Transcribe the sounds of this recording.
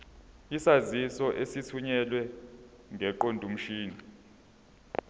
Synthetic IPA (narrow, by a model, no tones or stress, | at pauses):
isazisɔʔesitʰuɲɛlwɛ | ŋʱɛǃondʱum̩ʃiːni